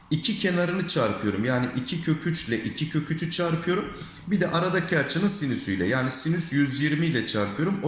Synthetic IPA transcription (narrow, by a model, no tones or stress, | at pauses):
icʰicʰe̞naɾɯnɯt͡ʃʰaɾpʰɯjo̞ɾumjaːniʔicʰicʰø̞cʰyt͡ʃlʲɛʔicʰicʰø̞cʰyt͡ʃʰyt͡ʃʰaɾpʰɯjo̞ɾum | bid̪ɛʔaɾad̪acʰat͡ʃʰɯnɯsinysyjlʲɛ̰jaːnisinysjyzjiɾmijlʲɛt͡ʃʰaɾpʰɯjo̞ɾumo